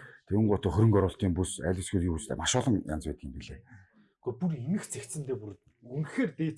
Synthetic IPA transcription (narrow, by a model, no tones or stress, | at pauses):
t̪ʰewɘ̆ŋɢʊt̪ʰɔ̆xɵɾɵ̆ŋkœɾʊːɬt̪iːmpusæ̰ːɮʲɪ̆sɡuːt̪iːust̪ʰḛmaʃʊːɮə̆ŋja̰nt͡spæːt̪̆̚ɡiːmpiɮeː | ɡopurenɘ̆xt͡sʰekt̪sɘ̆nt̪ʰeːpur | ɵnxeːrt̪eː